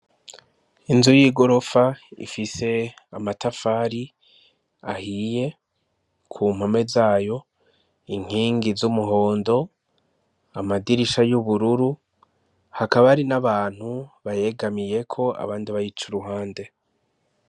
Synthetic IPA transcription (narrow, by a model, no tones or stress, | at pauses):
inzujiːɡo̞ɾo̞faḭfise̞amatafaɾi | ahije̞ | kʰumhame̞zaːjo̞ | iŋ̥hiːŋɡizumuɦo̞ːndo̞ | amadiɾiʃajuβuɾuɾu | hakaβaɾinaβaːn̥huβaje̞ɡamije̞kʰo̞a̰βaːndiβajit͡ʃuɾuɦaːnde̞